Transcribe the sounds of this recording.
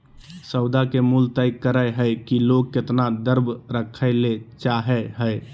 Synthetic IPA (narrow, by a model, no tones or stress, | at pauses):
səʊd̪akemult̪əɪkəɾəjɦəɪkiloɡ̚kːet̪nad̪əɾbʱɾəkʰəɪlet͡ʃaɦɛɦəɪ